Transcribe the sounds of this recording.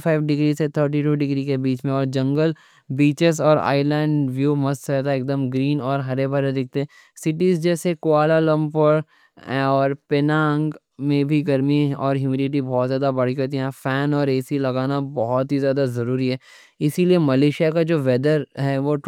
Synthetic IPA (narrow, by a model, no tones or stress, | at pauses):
fʰaːɪʋɖɪɡɾiset̪ʰəːɾʈ̬iʈuːɖɪɡɾikebiːt͡ʃmẽɔːɾd͡ʒɐ̃ŋɡəl | biːt͡ʃɪzɔːɾa̰ːɪlɛ̃ːɳɖʋjuːmɐst̪sɛt̪aeːk̚d̪əmɡɾiːnɔːɾɦɐɾebʱɐɾed̪ɪk̚ʰt̪eɛ̃ | sɪʈizd͡ʒɛːsekʊaːlalɐ̃mpəɾ | ɦɛ̃ɔːɾpɪnãːŋɡ | mẽbʱiɡɐɾmiɔːɾjuːmelɪʈ̬ibɔːt̪zjaːd̪abɐɽ̤ikot̪̬iɦɛ̃fɛːnɔːɾeːsilɐɡaːnabɔɦɔt̪ɦizjaːd̪azɐɾuːɾiɦɛː | ɪsiliemɐleːʃijakad͡ʒoːʋɛd̪əɾɦɛʋoʈ